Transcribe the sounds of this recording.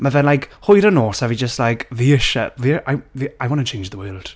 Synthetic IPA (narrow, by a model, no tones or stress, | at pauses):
məvɛnlajkhʊɨɾənoːsavid͡ʒəstlajkviɪʃa̰viʔajviajwɔ̃nət͡ʃʰẽɪ̃nd͡ʒðəwəːlˠd̥